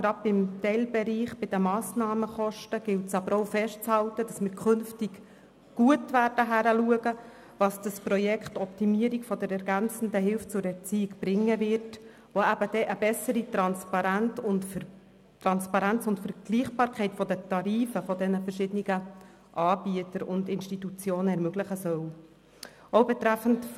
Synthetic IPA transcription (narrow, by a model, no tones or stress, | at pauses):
ɡ̥ɾɑd̚bɪmt̪ɛɪlbɛɾiːχb̥ɪd̥əmɑːsnɑːməχɔʃtəɡ̥ɪltsɑbəɾowfɛʃtt͡shɑltəd̥ɑsmɪːɾkʰʏnftik | ɡ̥uətʋæːɾd̥əɦæɾəluəɡə | ʋɑsd̥ɑsprɔjɛkχtɔp̚timiəɾikfɔdɛɾɛɾɡænt͡sən̩dəɦɪlft͡sʊɾɛrt͡siːikb̥ɾɪŋːəvɪɾt | ʋoæb̥əd̥ɛʔəbɛsəɾitɾɑnspɑɾæntʊntf | tɾɑnspɑɾænt͡sʊntfəɾɡ̥liːχb̥ɑːɾkχɛɪtfɔdət̪ɑɾiːfəfɔdɛnəfərʃɪdəniɡ̥ə | ʔɑːb̥iətəɾʊndɪnʃtitut͡sjoːnəɛɾmøɡlɪχəsœw | oʊbɛt̪ɾæfən̩t